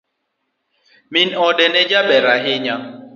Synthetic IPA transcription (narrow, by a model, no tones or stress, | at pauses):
minɔɗɛnɛd͡ʒabɛɾaɦɪɲa